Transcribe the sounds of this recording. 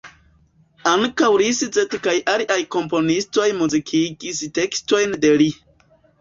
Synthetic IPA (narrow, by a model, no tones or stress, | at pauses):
aŋkawɾiszetkajʔaliʔajko̞mpo̞nisto̞jmuzikʰiɡiste̞ksto̞jnde̞li